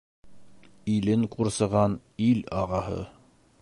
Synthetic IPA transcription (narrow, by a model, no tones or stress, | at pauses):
ilɘŋquɾsɤ̆ʁɑn | ilɑʁɑɦɤ̰